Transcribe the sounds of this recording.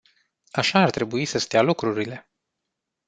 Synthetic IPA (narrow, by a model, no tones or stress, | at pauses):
aʃaːrt̪ɾe̞buisəst̪ealukɾuɾile̞